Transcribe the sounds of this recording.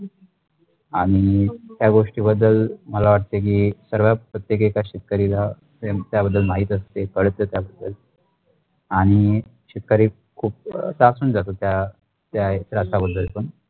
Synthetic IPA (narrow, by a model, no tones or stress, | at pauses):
aɽ̃it̪jaɡoʂʈiːbəd̪ːəlməlaʋaʈ̚t̪ek̬iːsəɾʋjapɾət̪jek̬ekaɕit̪̚kaɾila | t̪et̪jabəd̪ːəlmaɦiːt̪əst̪ekəɭt̪ət̪jabəd̪ːəl | aɽ̃i | ɕit̪̚kaɾiː | kʰuːp̚sasuːnd͡zat̪ot̪ja | t̪jaeɾast̪abəd̪ːəlpəɳ